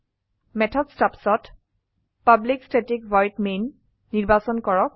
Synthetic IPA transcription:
mɛtʰɔdstapsɔt | pablikstetikvɔjtmenː | iɹbasɔnkɔɹɔk̚

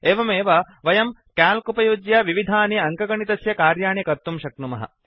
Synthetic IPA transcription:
eːʋɐmeːʋɐ | ʋɐjɐmkaːlkupɐjud͡ʒjaʋiʋid̪ʱaːniɐŋkɐɡɐɳit̪ɐsjɐkaːɾjaːɳjɐkɐɾt̪umʃɐk̪̚numɐ̰ɦɐ̰

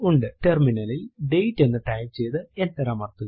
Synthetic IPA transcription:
uɳɖɨʈe̞rminɐlilɖe̞jtːe̞nːɨʈɐjlt͡ɕe̞jt̪ɨe̞nt̪ɐɾɐːmɐrt̪ːu

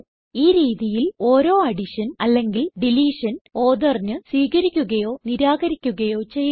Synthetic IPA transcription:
iːɾiːðijilo̞ːɾo̞ːɐɽiʂɐnɐlːe̞ŋɡilɖiliːʂɐno̞ːðɐrnɨswiːɣɐɾikʲːuɣɐjo̞ːniɾaːɣɐɾikʲːuɣɐjo̞ːt͡ɕe̞j

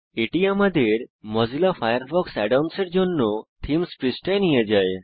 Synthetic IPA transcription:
eʈiamad̪ʱeɾmɔzilafʰajəɾfʰɔksɛɖamseɾd͡ʒonːot̪ʰimspɾisʈajnijed͡ʒae

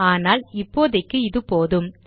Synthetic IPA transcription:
aːnaːlɪpːoːðɐɪkːɯɪðɯpoːðɯm

